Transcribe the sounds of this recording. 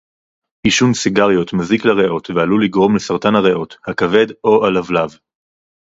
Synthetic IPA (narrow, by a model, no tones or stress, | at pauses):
iʃunsiɡaʁjo̞t̪maziklaʁeʔo̞tvealuliɡʁo̞mlesaʁt̪anhaʁeʔo̞thakave̞d̪o̞ʔalavlav